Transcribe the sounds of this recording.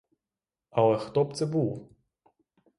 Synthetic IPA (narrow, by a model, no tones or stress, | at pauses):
ɐlˠɛxt̪ɔpt̪sɛbuwˠ